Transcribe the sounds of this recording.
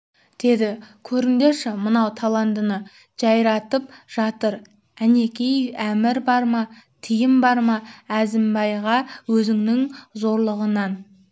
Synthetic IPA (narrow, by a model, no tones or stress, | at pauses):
d̪̥e̞d̪ɪkʲʰɵɾɪnd̪e̞ʃɪmənɑwt̪ʰɑlˠɑnt̪ənə | ʒ̥ɑjɾɑt̪əpʒ̥ɑt̪əɾ | æne̞kʲejæmɪɾbɑɾmɑt̪ʰijɪmbɑɾmɑæzɪmbɑjʁɑwɵzɪŋnɪŋzo̞ɾlˠəʁənɑn